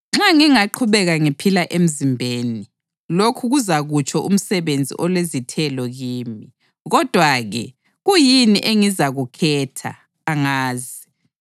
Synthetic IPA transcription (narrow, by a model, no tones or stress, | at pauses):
ŋ͡ǁaŋiŋaǃʰuβɛɣaŋipʰilaʔem̩zimbʱeːni | lokʰuɣuzaɣut͡ʃʼʰɔʔṵm̩sɛβend͡zʱḭʔɔlwezitʰɛlɔɣiːmi | ɣɔd̥ʱwaɣɛ̰ | ɣujiniʔeŋizaɣukʰɛːtʰa̰ː | ŋaːzi